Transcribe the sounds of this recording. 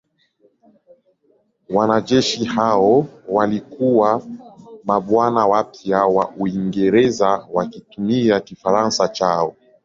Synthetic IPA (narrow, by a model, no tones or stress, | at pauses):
wanaʄɛʃihaɔwalikuwa | maɓwanawapiawaʔuiŋɡɛɾɛzawakitumiakifaɾansat͡ʃaɔ